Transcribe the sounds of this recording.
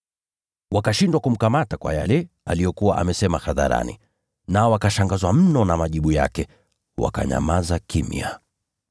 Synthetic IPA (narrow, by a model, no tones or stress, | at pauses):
wakaʃindwakum̩kamatakwa̰ja̰lɛ | alijɔkuwaʔamɛsɛmaxaða̰ɾa̰nḭ | naɔwakaʃaŋɡazwam̩nɔnamaʄiɓuja̰kɛ | wa̰ka̰ɲa̰mazakimḭa̰